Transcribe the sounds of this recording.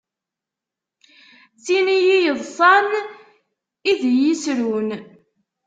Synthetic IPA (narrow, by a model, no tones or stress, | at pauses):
t͡sːinijijəðˤsˤɑn | iðjisɾun